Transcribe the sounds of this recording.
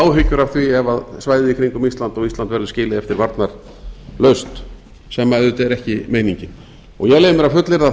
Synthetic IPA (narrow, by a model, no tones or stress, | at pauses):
awɦʏcːʏɾavθviɛvaðsvajðɪikʰɾiŋkʏmist̪lant̪ɔɣist̪ant̪vɛɾðʏscɪːlɪðɛft̪ɪɾvaɾt̪naɾ̥ | lœɥst̪ | sɛmːaɛðʏt̪ɛɾɛhcɪmeːjniɲcɪ | ɔɣjɛɣleːjmʏɾavfʏt̪lɪɾða